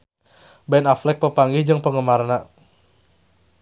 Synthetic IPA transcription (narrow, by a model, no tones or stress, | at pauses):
bɛnaflɛk̚pəpaŋɡihd͡ʒəŋpəŋəmarna